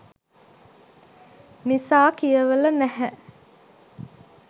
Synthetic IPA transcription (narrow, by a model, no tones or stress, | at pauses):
nisaːkijəʋəlɐnæhɛʔ